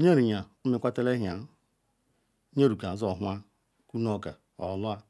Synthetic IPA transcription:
ɲe˦ɾi˨ɲa˨˦mi˦kʷa˦te˦le˦ɦa˨˦ | ɲe˦ɾu˨ka˨zɔ˨ɦwa˦ | ku˦no˦˨ɡa˨ | ɔ˨lʊ˦a˦

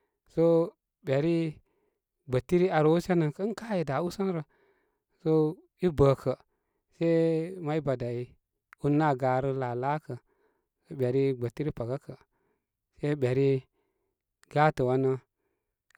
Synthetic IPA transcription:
so˦ | bʲe˨ɾi˦ | ɡ͡bə˨tːi˦ɾi˦a˨ɾo˨˦u˦se˦nə˨ŋkə˦n˦ka˦ji˨da˨u˦sə˦nɾə˨ | so˦ | i˦bə˨kʰə˨ | se˦ma˦i˦ba˨da˨i˨ | u˦nːa˦˨ɡa˨ɾə˦la˨la˦kə˨ | so˦ɓe˨ɾi˦ɡ͡bə˨tːi˦ɾi˦pa˨ɡa˦kə˨ | se˦ɓe˨ɾi˦ | ɡ̥a˦tə˨wa˦nə˦

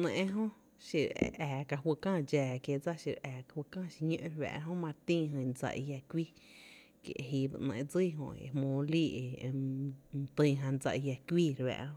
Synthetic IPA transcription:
ʔnẽ˧˨ʔẽ˦ɦõ˦ | ʃi˧˨ɾ̰ɛː˨ka˧ɦwə˧kãː˦˨d͡ʒɛː˨kje˧˨d͡za˦ʃi˧ɾɛː˨ka˨wə˧kãː˦˨ʃi˧ɲṵ̃˦ʔɾβɛ̰̃˧ʔɦõ˦mã˧t̪ĩː˦ɦɨ̃˧nd͡za̰˧ʔḭ˧ja˧kʷi˦ | kjḛ˨ɦi˧bɨ̰˧ʔnẽ˧ʔd͡zɨ˦˨ɦõ̰˧˨ḛ˧mõː˨˦liː˦ʔe˨˧ | t̪ɨ̃˧˨ɦã˧nd͡za̰˧ʔi˧ja˧kʷwiː˦ɾwɛ̰˧ʔõ˦

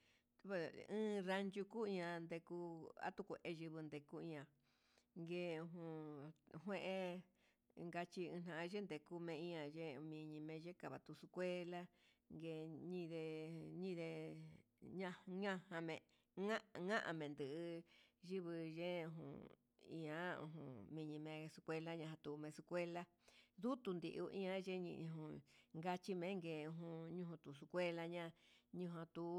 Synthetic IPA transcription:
ɨ̃ː˦ɾa˧nd͡ʒu˧ku˦ĩ˧ɲã˧nd̪e˧ku˧a̰˦t̪u˦ku˨˧ʔe˧ʒɨ˧βɨ˧nd̪e˧ku˦ĩ˧ã˨ | ŋɡe˧ɦũ˧˨ɦwẽ˦ʔẽ˧ | ŋɡa˧t͡ʃi˧ɨ̃˧n̥ã˧˨ã˧ʒe˦nd̪e˨ku˧mẽ˧ĩ˦ã˨ʒe˦˧mĩ˧ɲĩ˧mẽ˧ʒe˦ka˨βa˨t̪u˧su˧kʷe˦la˦ | ŋɡe˧ɲĩ˦˧ðe˧ɲĩ˦˧ðe˧ | ɲã˧ɲã˦˧hã˧mẽ˨ | ŋã˦ʔŋã˦ʔã̰˧mẽ˨nd̪ɨ˨ʔɨ˧ʒi˦βɨ˧ʒẽ˦˧ɦṵ̃˨ | ḭ̃˧ã˨˦ṵ̃˧ɦṵ̃˧˨mĩ˧ɲĩ˧mẽ˧su˧kʷe˧la˦ɲã˧˨ɦã˧t̪u˧mẽ˧su˧kʷe˦la˦ | ðu˦t̪u˧nd̪i˧ʔu˧ʔḭ̃˦ã˦ʒe˦ɲḭ̃˧ʔɦũ˧ŋɡa˧t͡ʃi˦mẽ˨˦ŋɡe˧˨u˧ɦũ˧ɲũ˧hũ˧t̪u˨s̬u˧kʷe˦la˧ɲã˦ɲũ˧ɦã˧t̪u˧˦

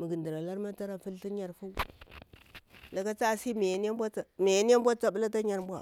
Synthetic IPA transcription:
mi˨ɡi˨ndi˨ɾa˨la˦ɾma˦ta˦ɾa˨fu˦lti˦ɲa˨ɾfu˦ | la˨ɡa˦t͡sa˦˨si˦me˨jn˦a˦mbʷa˦a˨me˨ja˦ni˦ja˦m˦bʷa˦t͡sa˨ɓu˦la˦ta˦ɲa˨ɾmbʷa˨

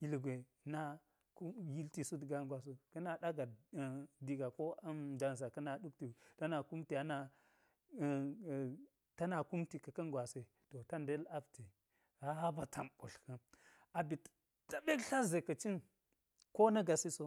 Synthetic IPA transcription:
i˨lɡʷe˨ | na˦ | ku˦ji˦lti˨su˦dɡa˨ŋɡwa˨s̬o˦kə˦na˨da˦ɡa˨ | di˨ɡa˨ko˦d͡ʒa˨ns̬a˨kə˦na˨ɗu˦k̚ti˨ta˦na˨ku˦mti˨a˨na˨ | ta˦na˨ku˦mti˨ka˨ka˦ŋɡʷwa˨se˨ | to˨ta˦nde˦la˦bti˨ | ɾa˦ba˨tʰa˨mo̰˨ɬkə˦n | a˨bi˨t | ta˦be˦kɬa˦ze˨ka˨t͡ʃi˦n | ko˦na˦ɡa˨si˦so˦

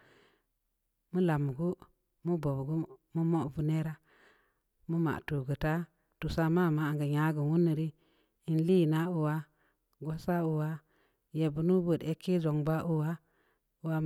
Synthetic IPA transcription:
mu˦la˨m˨ɡu˦ | mu˦bo˨bɡu˦mu˦mo˦vu˦ne˦ɾa˦ | mu˦ma̰˨ʔtu˨ɡə˨ta˦ | tu˨sa˦ma˦˨ma˦˨ŋɡə˨ja˦ɡə˨wu˦nːə˨ɾi˦ | i˨nli˦˨na˦u˨wa˦ | ɡo˦sa˦u˨wa˦ | je˨bu˦nu˦bə˨de˦kːi˦d͡ʒo˨ŋba˦ʔu˦wa˦ | u˨wa˦

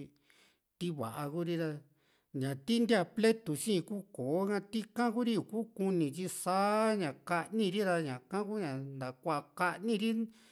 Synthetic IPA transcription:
t̪i˦βa̰˨ʔa˧ku˦ɾi˦ða˧ | ɲã˨t̪i˦nd̪ʲa˧ple˦t̪u˨ʃĩ˦˧kuː˦koː˨o˦kã˧t̪i˦kã˦ku˦ɾi˦u˧˨kuː˦ku˧nĩ˨t͡ʃi˦˧saː˦ɲã˨ka˧ʔnĩ˧ɾi˦ða˧ɲã˨kã˦ku˦ɲã˨nd̪a˨kʷa˧ka˧ʔnĩ˧ɾi˦

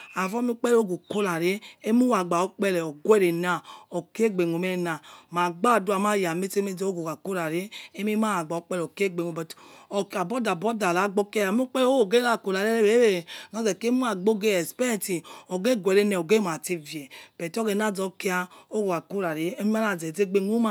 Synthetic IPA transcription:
a˨vɔ˦m˦u˦k͡pɛ˦lo˦ɡo˨ko˦la˨ɾe˦e˦mu˦wa˨ɡ͡ba˨o˦k͡pɛ˦lɛ˨ɔ˨ɡwɛ˦ɾe˨na˨ɔ˨ki˦e˦ɡ͡be˨ŋo˨me˦e˦na˨ma˨ɡ͡ba˦˨du˦a˨ma˦˨ja˨me˦te˦me˦d͡zo˦ɡo˨ɡa˨ko˦ɾa˨ɾe˦e˦mi˦ma˦a˨ɡ͡ba˨o˨˦k͡pɛ˦lɔ˨ke˦˨ɡ͡be˨ŋo˨bɔ˨ka˨bɔ˦da˨bɔ˦da˨la˨˦ɡ͡bo˦ke˦jm˦k͡pɛ˦lo˦o˨ɡe˦a˦˨ko˨la˨ɾe˦e˦ɾe˨˦e˦˨nɔ˨˦zɛ˨ke˦mu˦a˨ɡ͡bo˦ɡe˦ɛ˨spɛ˦ɾɛ˦˨ti˨ɔ˨ɡe˦˨ɡʷɛ˨ɾe˦nɛ˨o˨ɡe˦˨a˨te˦vje˨pɛ˨tɡe˨n˦a˦˨d͡zɔ˦ke˦a˦o˦ɡo˨a˨ko˦ɾa˨ɾe˦e˦mi˦ma˦a˨ze˨ze˦ɡ͡be˦ŋu˦ma˦

